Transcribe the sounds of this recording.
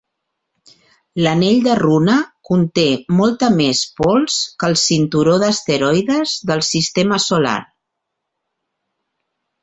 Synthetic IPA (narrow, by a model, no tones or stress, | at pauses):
ləneʎd̪ərunəkunt̪emɔlˠt̪əmespɔlˠskəlˠsint̪uɾoðəst̪əɾɔjðəzðəlˠsist̪eməsula̰ɾ